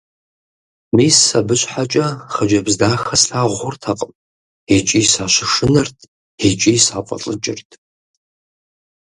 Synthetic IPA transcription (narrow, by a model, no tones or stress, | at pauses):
miːsɐbɨɕʼħat͡ʃʼɐχəd͡ʒɐbzdaːxɐsɬaːʁʷʊrtʰɐqʼəm | et͡ʃʼiːsaːɕɪʂɨnɐrtʰ | et͡ʃʼiːsaːqʷʼɔ̰ɬʼɨt͡ʃʼɪ̰rtʰ